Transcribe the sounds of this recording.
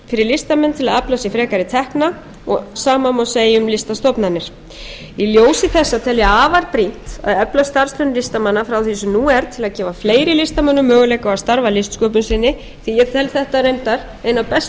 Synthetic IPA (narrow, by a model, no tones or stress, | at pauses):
fɪɾɪɾlɪst̪amɛnːt̪ʰɪlaðaplasɛfɾɛːkaɾɪt̪ʰɛhkna | ɔ̰ɣsaːmamawseːjʏmlɪst̪ast̪ɔpnanːɪɾ̥ | iljoːwsɪθɛsːat̪ʰɛljɛaːvaɾpɾin̥t̪a̰ðœplast̪aɾ̥st̪œnlɪst̪amanːafɾawθisʏmnuɛɾ̥t̪ʰɪlaðcɛːvafleːjɾɪlɪst̪amœnːʏmːœːɣʏleːjkaɣaðst̪aɾvalɪst̪skœːp̬ʏnsɪnːɪ | θijɛt̪ʰɛlθɛht̪aɾejnt̪aɾ̥ | eːjnapɛs